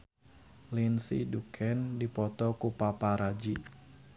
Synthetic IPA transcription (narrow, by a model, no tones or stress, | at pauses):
linsḭdukʰɛndipɔt̪ɔkupapaɾad͡ʒi